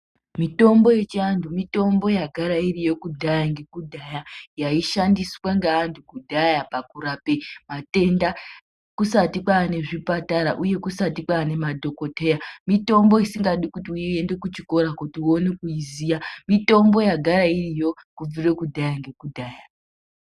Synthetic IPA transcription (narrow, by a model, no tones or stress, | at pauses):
mito̞mbo̞je̞t͡ʃiantʰumito̞mbo̞jaɡʱaɾairijo̞kudʱajaŋɡe̞kudʱajajaiʃandiswaŋɡaːntʰukudʱajapakuɾapemate̞nda | kusatikwaːne̞ʐipataɾaʔuje̞kusatikwaːne̞madʱo̞ko̞te̞jamito̞mbo̞isiŋɡaɗikutiue̞nde̞kut͡ʃiko̞ɾakutio̞nekuizijamito̞mbo̞jaɡʱaɾairijo̞kub͡vire̞kudʱajaŋɡe̞kudʱaːja